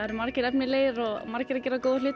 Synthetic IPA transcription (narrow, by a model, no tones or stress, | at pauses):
ɾmaɾcɪɾɛpnɪlejɾɔɣmaɾcɪɾacɛːɾakoːðʏlɪːt̪